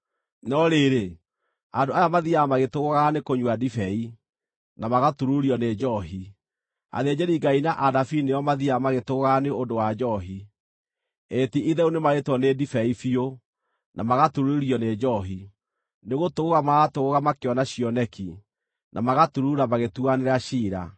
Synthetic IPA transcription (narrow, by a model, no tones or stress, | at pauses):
nɔɾeɾe | andoajamaðiamaɣetoɣoɣanekoɲwadifɛi | namaɣatuɾuɾɔned͡ʒɔɦi | a̰ðed͡ʒɛɾiɡainaʔaðafinejɔmaðiamaɣetoɣɔɣaneodowad͡ʒɔɦi | etiʔiðɛunemaɾetwɔnedifɛifio | nʔamaɣatuɾuiɾiɔned͡ʒɔɦi | neɣotoɣoɣamaɣatoɣoɣamakeɔnaɕiɔnɛki | nʔamaɣatuɾuɾamaɣetuaneɾaɕiːɾa̰